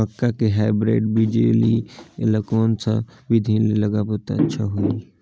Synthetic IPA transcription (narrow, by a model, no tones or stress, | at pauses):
məkːakeɦaːɪbɾḛːɖbid͡ʒḛliḛləkɔːnsa̰bid̪ʱileləɡaboːt̪a̰ətːʃʰaɦoi